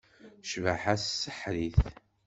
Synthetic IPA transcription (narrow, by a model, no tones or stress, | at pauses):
ʃvəħassːəħɾiθ